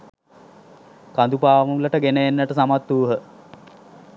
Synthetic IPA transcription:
kand̪upaːʋəuləʈəɡenəjenːəʈəsamat̪ːuːɦə

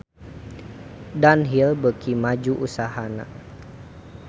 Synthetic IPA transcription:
danɦilbəkʰimad͡ʒuʔusaɦana̰

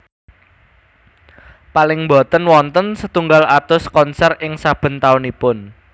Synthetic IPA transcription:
palɪŋmbɔ̤t̪ənwɔnt̪ənsət̪uŋɡalat̪ʊskɔnsɛrɪŋsab̥ə̤nt̪aʊnipʊn

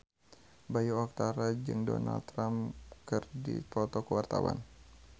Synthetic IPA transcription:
bajuɔk̚t̪aɾad͡ʒɨŋdɔ̰na̰lt̪ɾamkɨrdip̪ɔt̪ɔkəwart̪awa̰n

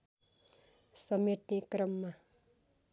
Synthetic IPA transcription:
sʌmeʈnekrʌmːa

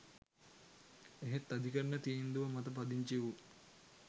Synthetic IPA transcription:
eɦet̪ːɐd̪ʱikəɾnət̪iːnd̪uʋɐmɐt̪ɐp̬ɐd̪iɲt͡ʃiʋu

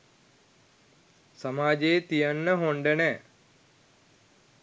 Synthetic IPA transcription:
sɐmaːd͡ʑeːt̪ijɐnːəɦoɳɖənɛː

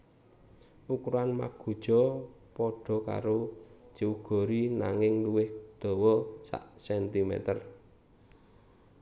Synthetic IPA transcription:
ʔukuɾanma̰ɡ̥o̤d̥ʒ̥ɔpɔɖ̥ɔ̤ka̰ɾo̥d͡ʒ̥iuɡ̥ɔ̤ɾina̰ŋɪŋluwɪhd̪̥ɔ̤wɔsa̰ʔsɛnt̪imɛ̰t̪ər

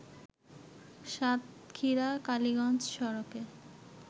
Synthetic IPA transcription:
ʃat̪̚kʰiɾakaliɡɔnt͡ɕʃɔɾokeɾ

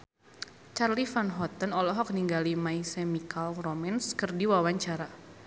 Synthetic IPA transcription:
t͡ʃarlifanɦɔt̪ənɔlɔɦɔk̚niŋɡalimajsɛmikalromɛnskərdiwawaɲt͡ʃaɾa

